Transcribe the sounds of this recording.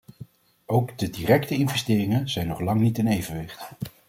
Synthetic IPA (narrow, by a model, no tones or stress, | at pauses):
owkdədiːrɛktəɪnvɛstɪːrɪŋənz̥ɛjnːɔχlɑŋnitɪnejvənʋɪχt